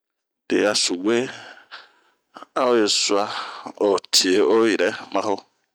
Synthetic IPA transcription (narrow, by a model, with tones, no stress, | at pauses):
d̥e˨a˨su˨we˦ | a˦o˦je˨sʊ˦a˦o˨tʰi˨e˨o˦ji˨ɾɛ˨mã˦ho˦